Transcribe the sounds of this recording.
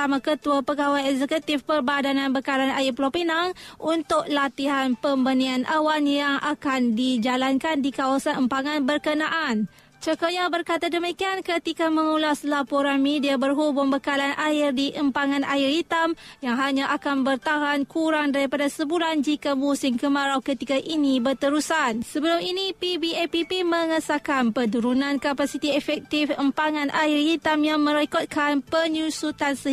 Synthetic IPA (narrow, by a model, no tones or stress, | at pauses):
amakət̪uapəɡawajɛkzəkut̪ɪfpərbadanãnbəkalanaɪrpəlopinaŋʔunt̪ʊk̚lat̪iɦanpəmbənianʔawanjaŋa̰kandid͡ʒalankandikawasanəmpaŋanbərkənaʔan | t͡ʃəkəjabərkat̪adəmikiankət̪ikaməŋulaslapɔɾanmediabərɦubʊmbəkalanʔaɪrdiʔəmpaŋãnaɪrit̪amjaŋɦaɲãʔakanbərt̪aɦankʰuɾaŋdaɾipadasəbuɾand͡ʒikamusɪŋkəmaɾawkət̪ikaʔinibərt̪əɾusansəbəlʊminipibiɛpipimə̃ŋəsakanpəduɾunãnkapasit̪iɛfɛk̚t̪ifəmpaŋãnʔaɪrhit̪amjaŋmə̃ɾɛkɔt̪̚kanpəɲusut̪ansə